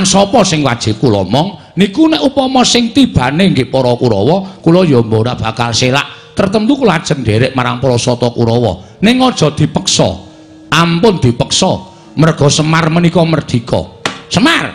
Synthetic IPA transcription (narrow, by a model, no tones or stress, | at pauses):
ansɔpɔsɪŋwad̥ʒ̥ɪ̤p̚kulɔ̰mɔŋ | nikunɛʔupɔmɔsɪŋt̪ib̥ä̤neŋɡɪʔpɔɾɔkuɾɔwɔkulɔjɔmboɾab̥a̤kalsela̰ʔt̪ərt̪ənt̪ukulɔad̥ʒ̥ə̤nɖeɾeʔmaɾaŋpɔɾɔsɔt̪ɔkuɾɔwɔ̰ | nɪŋɔd̥ʒ̥ɔ̤d̪̥i̤pəksɔ̰ | ʔampʊnd̪̥ipəksɔ | mərɡ̥ɔ̤səmarmənikɔmərd̪̥i̤kɔ̰səmar